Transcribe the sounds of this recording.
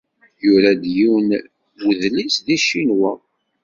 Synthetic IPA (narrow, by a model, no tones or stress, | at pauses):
juɾæd̪jiwn | wəðlisðiʃinwæ